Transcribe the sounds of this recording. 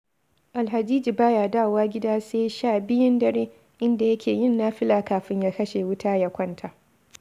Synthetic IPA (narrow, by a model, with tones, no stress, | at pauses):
ʔa˨lɦa˨d͡ʒiː˦d͡ʒi˨baː˦jaː˨daː˦˨waː˦ɡʲɪ˦daː˦seː˦ʃaː˦˨bɪ˦jɪ˦ndɐ˨ɾeː˦ | ʔɪ˦nda˨jɐ˦kʲeː˨jɪ˦nːaː˦ɸɪ˦laː˨kaː˨ɸɪ˦ɲjaː˦kɐ˦ʃe˨wʊ˦taː˦ja˨kʷɐ˦ntʰa˨